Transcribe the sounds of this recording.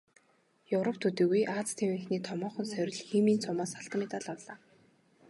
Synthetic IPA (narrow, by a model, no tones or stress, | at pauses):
jɵwɾɔpt̪ʰut̪eːɣujʔaːt͡st̪ʰemĭxniːt̪ʰɔmɔːχɞ̆nsœɾʲɪ̆ɮxiːmiːnt͡sʰʊmaːsaɬt̪̆met̪aɮawɮaː